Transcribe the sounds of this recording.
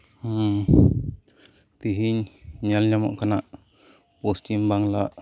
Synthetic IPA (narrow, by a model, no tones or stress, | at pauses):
t̪iɦiɲɲalɲamɔ̰ʔkanaʔ | post̪imbaŋlaʔ